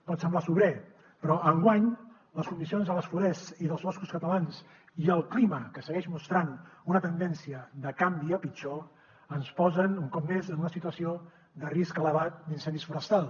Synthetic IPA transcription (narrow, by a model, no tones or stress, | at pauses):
pɔt̪səmblasuβɾɛ | pɾɔʔəŋɡwaɲ | ləskund̪isionzðələsfuɾɛsiðəlˠzβɔskuskət̪əlans | iəlˠkliməkəsəɣɛʃmust̪ɾanunət̪ənd̪ɛnsiəd̪əkambiəpit͡ʃɔ | ənspɔzənuŋkɔp̚mezənunəsit̪uəsio | d̪əriskələβat̪̚d̪insɛnd̪isfuɾəst̪alˠ